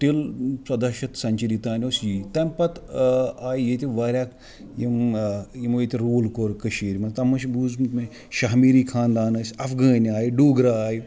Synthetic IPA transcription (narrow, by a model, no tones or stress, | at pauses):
ʈilsɐd̪ɐʃɐt̪sɐɲt͡ʃiɾit̪aːnʲoːsjiːt̪ɐmʲpɐt̪aːjijet̪ʲiʋaːɾʲjaːk | jimjimoːjit̪ʲiɾuːlkoːɾkəʃiːɾmɐt̪ɐmɐʃbuːzmt̪me | ʃaɦmiɾiːkʰaːnd̪aːnɐsʲɐfɡɐːnaːjɖuːɡɾaaːji